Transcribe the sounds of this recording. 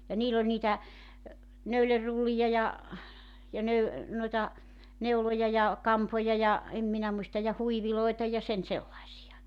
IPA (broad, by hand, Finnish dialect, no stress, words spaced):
jɑ niːlː olʲ niːtæ nøylerːulːijɑ jɑ jɑ nøy noitɑ neulojɑ jɑ kɑmpojɑ jɑ em minæ muistɑ jɑ huiʋiloitɑ jɑ sen selːɑisijɑ